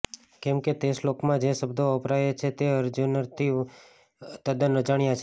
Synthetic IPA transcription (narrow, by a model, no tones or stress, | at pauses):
kɛmket̪eslokmãd͡ʒesəbd̪ʱoəpɾajet͡ʃʰet̪eəɾd͡ʒunəɾt̪ʰi | t̪əd̪ənəd͡ʒaɳ̃ijat͡ʃʰe